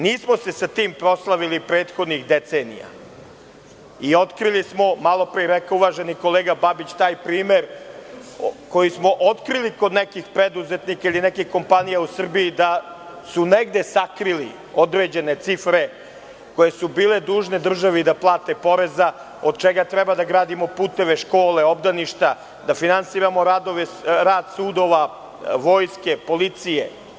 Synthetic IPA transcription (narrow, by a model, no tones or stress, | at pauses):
niːsmo̞se̞sat̪iːmpɾo̞slˠaʋilipɾeːt̪xo̞d̪nixd̪et̪se̞ːnḭja̰ | io̞t̪kɾilismo̞malˠo̞pɾiɾekauʋaːʒeniko̞leːɡababit͡ɕt̪aːjpɾiːme̞ɾ | ko̞jismo̞ʔot̪kɾiliko̞d̪nekixpɾe̞d̪uzet̪nikailinekixko̞mpanijausr̩biːd̪a | suneɡd̪e̞sakɾili | o̞d̪ɾe̞d͡ʑe̞ne̞t̪sifɾe̞ | ko̞je̞subiːle̞d̪uːʒne̞d̪r̩ʒaʋid̪aplˠaːt̪e̞po̞ɾe̞za | o̞d̪̚t͡ʃeɡat̪ɾɛbad̪aɡɾaːd̪imo̞puːt̪e̞ʋeʃkoːleobd̪aniʃt̪a | d̪afinansiːɾamo̞ɾaːd̪o̞ʋeɾaːd̪suːd̪o̞ʋa | ʋo̞ːjske̞po̞lit̪sije